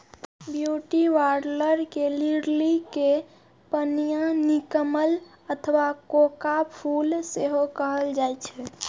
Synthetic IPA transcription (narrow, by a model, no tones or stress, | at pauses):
bjuʈiʋaɾləɾkeliɾlike | pənijanikəməl | ət̪ʰəʋakokapʰulseɦokəɦəld͡ʒajt͡ʃʰɛ